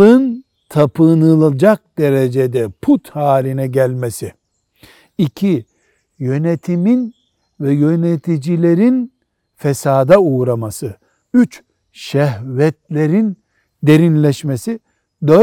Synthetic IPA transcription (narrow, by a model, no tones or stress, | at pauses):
ɯn | t̪ʰapʰɯnɯlˠad͡ʒak̚d̪e̞ɾed͡ʒed̪ɛpʰut̪haːlʲinɛɟælʲmesi | icʰi | jø̞net̪ʰimin | vɛjø̞net̪ʰid͡ʒilʲe̞ɾin | fesaːd̪auːɾamasɯ | yt͡ʃ | ʃɛɦvɛt̪̚lʲe̞ɾin | d̪e̞ɾinlʲɛʃmesi | d̪ø